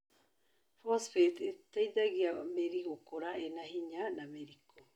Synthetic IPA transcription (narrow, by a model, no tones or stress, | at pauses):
fosfet̪et̪ajd̪aɡiameɾiɡokoɾaenaɦiɲaːnameɾikʰo